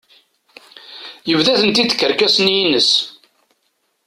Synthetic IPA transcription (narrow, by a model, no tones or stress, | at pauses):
jəvðæθənt̪id̪ə̥kːəɾkæsənjinəs